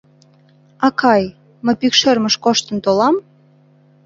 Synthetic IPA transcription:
ɑkʰɑj | məjpykʃermə̆ʃkoʃt̪ə̆nt̪olɑm

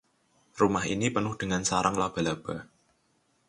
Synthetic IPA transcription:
rumahḭnipənʊhd̥ə̤ŋansaɾʔaŋlab̥a̤lab̥a

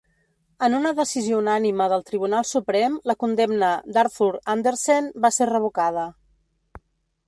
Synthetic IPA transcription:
ənunəðəsiziounaniməðəlˠt̪ɾiβ̞unalˠsupɾɛmləkund̪ɛmnəd̪aɾfuɾand̪əɾsenbaserəβ̞ukað̞ə

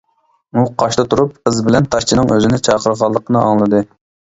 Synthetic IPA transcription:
muqʰɑʃt̪ɨt̪ʰuɾup̚qəzbɪlɛnt̪ʰɑʃt͡ʃʰinɨŋøzɪnɪt͡ʃʰɑːqʰəɾʁɑlˠːəqʰənɨʔɑ̰ŋlˠɨd̪ɨ

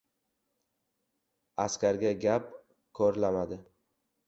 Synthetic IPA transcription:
askʲaɾɡʲaɡʲap | kʰɒɾlamad̪ɪ

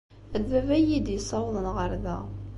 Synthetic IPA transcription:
æðːævæjid̪jəsˤːɑwðˤənʁəɾˤðæ

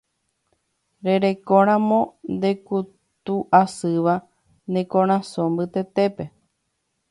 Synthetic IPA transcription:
ɾe̞ɾe̞kõɾ̃ãmõ̞nd̪e̞ku | t̪uʔasɨʋa | nẽkõɾ̃ãsõmbɨt̪e̞t̪e̞pe̞

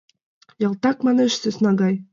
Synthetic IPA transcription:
jɑlˠt̪ɑkmɑneʃsesnɑɡɑj

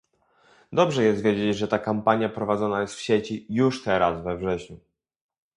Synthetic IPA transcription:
d̪ɔbʐɛjɛst̪vʲjed͡ʑed͡ʑʐɛt̪akampaɲjapɾɔvad̪zɔnajɛst̪fɕet͡ɕijuʂt̪ɛɾasvɛvʐɛɕɲu

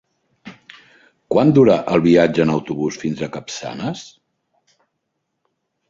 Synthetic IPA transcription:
kwand̪uɾaʔəlˠβiad͡ʒəːnəwt̪uβusfinzəkəpsa̰nəs

